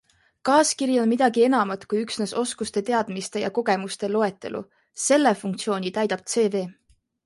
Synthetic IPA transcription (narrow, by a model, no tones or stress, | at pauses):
kɑːskiɾjo̞nmid̪̥ɑɡie̞nɑmɑt̪kujyksneso̞skust̪e̞t̪e̞ɑd̪̥mist̪e̞jɑ̰ko̞ɡ̥e̞must̪e̞lo̞e̞t̪ːˑe̞lṵ | se̞lːefuŋkt̪sio̞ːnʲit̪æjd̪̥ɑb̥̚t̪se̞ːve̞ː